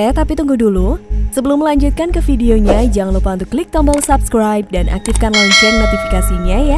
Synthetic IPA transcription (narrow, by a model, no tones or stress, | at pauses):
at̪apit̪uŋɡudulusəbəlʊmːəlaɲd͡ʒut̪̚kankəfideoɲad͡ʒaŋlupaunt̪ʊkːlik̚t̪ambəlsapskɾajp̚danʔa̰k̚t̪ifkanlaɲt͡ʃʊrnot̪ifikasiɲaja